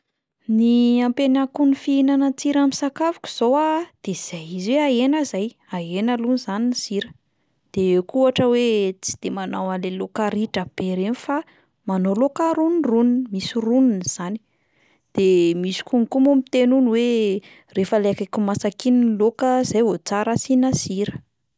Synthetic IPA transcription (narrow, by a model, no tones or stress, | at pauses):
niampenakunifiinanət͡siɾamisakavu̥kʲu̥z̥owad̪̥ez̥ajiziweaenəzaj | aenalunizaniniziɾə̥ | d̪̥ekuaʈ͡ʂəwet͡si̥d̪̥emanawalelokaɾiʈ͡ʂab̥eɾenfa | manolokaɾunrununmisiruninz̥ani̥ | d̪̥emisi̥kuŋkumomit̪enunwe | refaleakakumasakininlokəzajɦot͡saɾasinasiɾə̥